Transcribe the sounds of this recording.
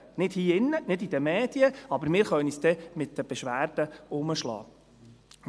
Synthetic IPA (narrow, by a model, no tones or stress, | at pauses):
nɪd̥hiːɪnːənɪd̪id̥̪əmɛːd̥̪iəɑbəɾmɪːɾχœnisd̪ɛmɪt̪dəb̥ɛʃʋæːrd̥əʊməʃlɑ̰ː